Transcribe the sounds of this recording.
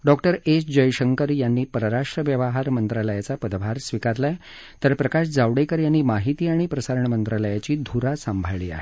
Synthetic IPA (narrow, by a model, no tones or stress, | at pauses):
ɖɔkʈəɾesd͡ʑəjɕəŋkəɾjanːiːpəɾɾaʂʈɾəʋjəʋəɦaɾmənt̪ɾaləjat͡sapəd̪ʋaɾsʋikaɾla | t̪əɾpɾəkaɕd͡zaʋɽekəɾjanːiːmaɦit̪iːaɽ̃ipɾəsaɾəɳmənt̪ɾaləjat͡ɕiːd̪ʱuɾasəmbʱaɭiːa̰ɦe